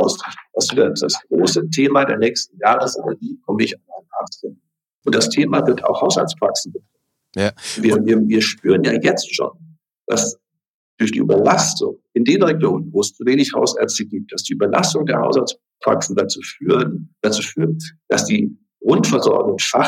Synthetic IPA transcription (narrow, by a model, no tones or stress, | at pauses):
ʊsd̥asv̥ɪɐtd̥asɡ̥ʁo̰ːsətʰeːmadḛːɐnɛːçstn̩jaːʁəsʔɛ̰nɛ̰ɡiːkʰɔməɪçamaɪnaːχd̥ʁɪn | ʔʊntd̥astʰeːmavɪɐta̰ʊxhaʊsha̰lt͡spʁ̥a̰ksn̩bətʁ̥ɔ | viːɐviːɐviːɐʃpyːʁənja̰ːjɛt͡stʃo̰ːn | d̥a̰s | d̥ʊɐçd̥ḭːʔy̰ːbɐlastʊ̰ŋʔɪndeːnʁɛɡloːŋənvoːəst͡suveːnɪçhaʊsʔɛɐt͡stəɡiːp̚t̚d̥asd̥iːʔybɐlʔa̰stʊŋdeːɐha̰ʊsals | pʁ̥a̰ksn̩dat͡suːfyːənd̥at͡suːfyːʁənd̥asd̥iː | ɡ̥ʁʊntfɛɐzɔ̰ɐɡʊŋfa